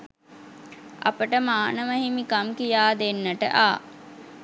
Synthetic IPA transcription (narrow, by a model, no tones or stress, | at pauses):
a̰pəʈəmaːnəməɦimikamkijaːd̪enːəʈə̰ʔaː